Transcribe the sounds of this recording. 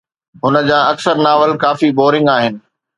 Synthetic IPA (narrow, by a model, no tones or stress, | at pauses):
ɦʊnə̆d͡ʑãːɐksəɾnaːʋəlkaːfiboːɾɪ̃ŋɡaːɦɪnɪ̆